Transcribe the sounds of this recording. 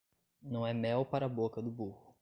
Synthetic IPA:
nɐ̃w̃ɛmɛwpaɾɐːbokɐd̪ʊbuhʊ

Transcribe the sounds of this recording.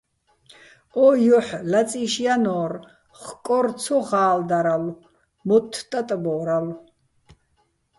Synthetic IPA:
ɔjɔħlat͡sʼiʃjanɔːr | χkʼɔrt͡sʰɔʁaːld̪aɾal | mɔt̪ʰːt̪ʼat̪ʼbɔɾal

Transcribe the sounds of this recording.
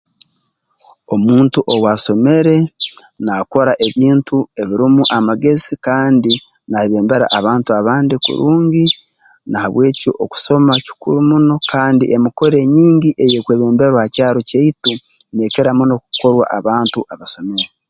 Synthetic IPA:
o̞muːntuʔowaso̞me̞ɾe̞ | nako̞ɾaʔe̞βiːntue̞βiɾimuʔamaɡe̞zikaːndi | naeβe̞ːmbe̞ɾa̰ʔːβaːntuaβaːndikṵɾuːɲɟi | nahaβwe̞ːco̰ʔo̰ku̥so̞maci̥kṵɾumuno̞kaːndḭʔemuko̞ɾe̞ɲiːɲɟiʔe̞je̞kweːβe̞ːmbe̞ɾwahacaːɾo̞ceitu | neke̞ɾamuno̞k̚uko̞ɾwa̰ʔaβaːntuʔaβaso̞me̞ɾe

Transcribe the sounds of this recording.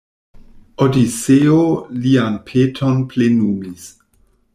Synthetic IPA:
odit͡seolianpʰetʰonplenumis

